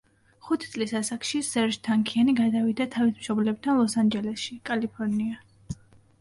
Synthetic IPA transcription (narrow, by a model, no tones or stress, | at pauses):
χut̪ʰit̪sʼlisasakʃisɛɾʒt̪ʰaŋkʰianiɡad̪avid̪at̪ʰavismʃɔblɛb̚t̪ʰanlˠɔsand͡ʒɛlɛsʃikʼalipʰɔɾnia